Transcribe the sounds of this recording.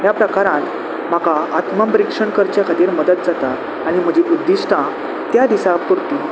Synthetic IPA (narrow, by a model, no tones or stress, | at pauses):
ɦjapɾəkaɾãt̪ | m̤akaat̪məmbɾikʂəɳkəɾt͡ɕjakʰat̪iːɾməd̪ət̪̚d͡zat̪aː | ɽ̃im̤əd͡ʑiʔud̪ːiʂʈʰã | t̪jad̪isapuɾt̪i